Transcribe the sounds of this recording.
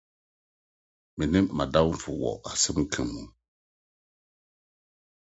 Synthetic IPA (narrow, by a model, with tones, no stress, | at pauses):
mi˨ni˦mːa˨da˦wfu˨wɔ̰˨a˨sɨ˦m˦kʰɨ˨mu˨